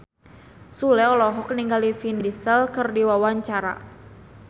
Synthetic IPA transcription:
sulɛɔlɔɦɔk̚niŋɡalifindisəlkɨrdiwawaɲt͡ʃaɾa̰

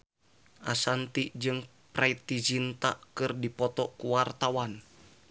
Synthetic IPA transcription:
ʔasant̪id͡ʒɨŋ | pɾait̪id͡ʒint̪a̰ʔkɨrdipɔt̪ɔkuwart̪awan

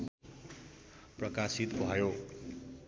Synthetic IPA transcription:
prʌkasit̪bʱʌjo

